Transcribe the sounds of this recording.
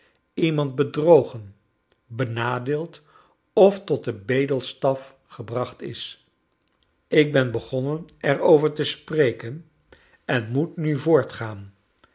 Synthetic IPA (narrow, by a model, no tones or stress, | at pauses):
imɑnt̚bədrowχən | bənaːdeːlˠt | ɔftɔt̚dəbejdəlˠstɑf | χəbrɑχtɪ̰s | ɪɡ̚bɛnbəχɔnənɛɹowvəɹtəsprejkən | ɛnmutnyvʊːɹtχaːn